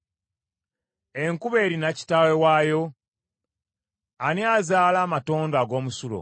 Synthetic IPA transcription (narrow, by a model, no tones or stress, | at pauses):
eŋkuβe̞ːɾinaci̥tawewaːjo̞ | aniazaːlaːmato̞ːndaɡo̞ːmusulo̰